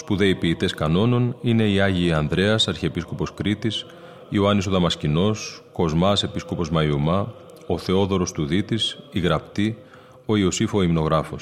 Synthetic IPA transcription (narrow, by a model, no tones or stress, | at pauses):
ospuðe̞ipiːt̪e̞skɐno̞no̞nine̞iɐʝiːɐnðɾe̞ɐsɐɾçiepisko̞po̞skɾit̪is | ioɐniso̞ðɐmɐscino̞sko̞zmɐse̞pisko̞po̞zmɐjumɐ | o̞θe̞o̞ðo̞ɾo̞st̪uðit̪isiɣɾɐpt̪i | o̞io̞sifo̞imno̞ɣɾɐfo̞s